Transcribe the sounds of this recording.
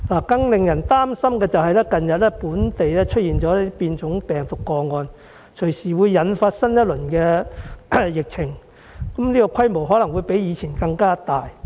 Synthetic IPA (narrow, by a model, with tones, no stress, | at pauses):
laː˨˩kɐ˧ŋlɪ˨ŋjɐ˨˩nt̪aː˥msɐ˥mkɛː˧t͡sɐ˨wɦɐ˨jlɛː˥kɐ˨njɐ˨t̚lɛː˥puː˨˥nt̪e˨jlɛː˥t͡ʃʰɵ˥t̚jiː˨nt͡ʃɔː˨˥lɛ˥piː˧nt͡sʊ˨˥ŋpɛː˨ŋt̪ʊ˨kːɔː˧ŋɔː˧n | t͡ʃʰɵ˨˩ɥsiː˨˩wuː˨˧jːɐ˨˥nfaː˧t̚sɐ˥njɐ˥t̚lɵ˨˩nkɛː˧ | jɪ˨k̚t͡sʰɪ˨˩ŋ | kɐ˨˦mniː˥kɔ˧kʰɐ˥jmo˨wɦɔː˨˥lɐ˨˩ŋwuː˨˧jpe˨˥jiː˨˧t͡sʰiː˨˩nkɐ˧ŋkaː˥t̪aː˨j